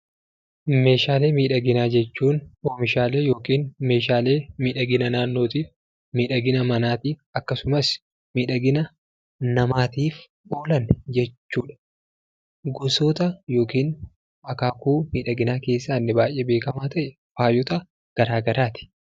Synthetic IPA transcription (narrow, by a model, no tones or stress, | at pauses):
me̞ːʃaːle̞ːmiːᶑɐɡɪnaːd͡ʒɛt͡ʃːuːnoːmɪʃaːleːjo̞ːkiːnme̞ːʃaːle̞ːmiːᶑɐɡɪnɐnaːnːo̞ːt̪iːf | miːᶑɐɡɪnɐmɐnaːt̪iːɐkːɐsʊmɐs | miːᶑɐɡɪnɐ | nɐmaːt̪iːf | ʔoːlɐnd͡ʒɛt͡ʃːuːᶑɐ̥ | ɡʊsoːt̪ɐjo̞ːkiːn | ɐkaːkuːmiːᶑɐɡɪnaːke̞ːsːaːnːɪbaːjːebe̞ːkɐmaːt̪ɐʔɛ | faːjɔt̪ɐ | ɡ̥ɐɾaːɡɐɾaːt̪ɪ̥